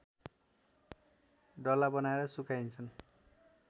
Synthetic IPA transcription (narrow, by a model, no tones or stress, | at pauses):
ɖʌlabʌnaeɾʌsukajnt͡sʰʌn